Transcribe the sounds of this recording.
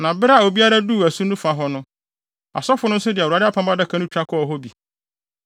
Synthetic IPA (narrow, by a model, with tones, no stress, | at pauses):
nã˨bɪ˦ɾa˦˨o˨bi˦a˦ɾa˦duː˦˨æ˨su˦nʊ̃˦fa˨ɦɔ˦nʊ̃˦ | a̰˨sɔ˦fʊ˨˦nʊ̃˦sʊ˦dɪ˨a˦dɪ˦a˦pʰã˦mba˦da˦kʰã˦nʊ̃˦t͡ɕᶣɾa˦kʰɔ˦˨ɦɔ˦bi˨